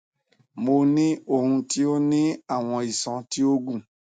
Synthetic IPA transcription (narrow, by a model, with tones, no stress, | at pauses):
mo˧nĩ˦o˦˨ɦũ˧ti˦o˦nĩ˦a˦˨w̃ɔ̃˧i˨sɔ̃˧ti˦o˦ɡũ˦˨